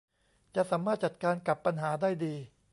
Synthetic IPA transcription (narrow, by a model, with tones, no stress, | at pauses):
t͡ɕa˨˩saː˩˦mːaː˥˩t̪̚t͡ɕa˨˩t̪̚kaː˧nka˨˩pːa˧nɦaː˩˦daː˥˩jdiː˧